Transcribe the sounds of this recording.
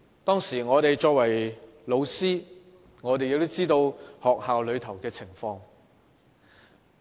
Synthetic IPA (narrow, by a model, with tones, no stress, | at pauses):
t̪ɔː˥ŋsiː˨˩ŋɔː˨˧t̪e˨jt͡ʃɔː˧k̚wɐ˨˩jlo˨˧wsiː˥ | ŋɔː˨˧t̪e˨jɪ˨k̚t̪o˥wt͡siː˥t̪o˧whɔː˨k̚haː˨wlɵ˨˧ɥt̪ʰɐ˨˩wkɛː˧t͡sʰɪ˨˩ŋfɔː˧ŋ